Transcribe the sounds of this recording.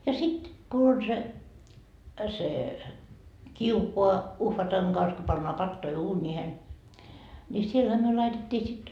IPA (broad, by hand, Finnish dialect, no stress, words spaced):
jɑ sit ku on se se kiukoɑ uhʋɑtɑŋ ɡ̊ɑns ko pɑnːoɑ pɑtːoi uːnʲiːhen nʲi sielhæ myø lɑitetʲːiː sit